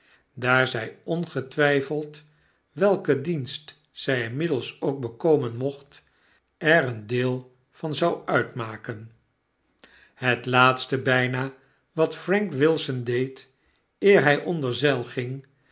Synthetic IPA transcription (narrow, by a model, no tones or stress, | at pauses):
daːɹzɛjɔnχətʋɛjfəlˠt | ʋɛlˠkədinst | sɛjɪnmɪdəlˠsowk̚bəkowmənmɔχt | ɛɾəndɪːlˠ | v̥ɑnzɑwœɥtmaːkən | ɦətlaːtstəbɛjnaː | ʋɑtfrɛŋkʋɪlˠsəndejt | ɪːɹɦɛjʔɔndəɹzɛlˠχɪŋ